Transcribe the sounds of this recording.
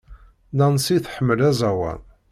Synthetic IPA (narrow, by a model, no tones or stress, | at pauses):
nænsiθħəmːəlæzæwæ̰n